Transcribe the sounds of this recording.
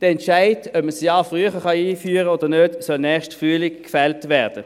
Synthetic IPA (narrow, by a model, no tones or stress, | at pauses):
d̥əɛntʃaɪdœpməsjɑːfʁyːəχəχɑiːfyːʁəoːdənødsɔlnɛːχʃtfʁyːlɪkkːfɛltvɛɐd̥ə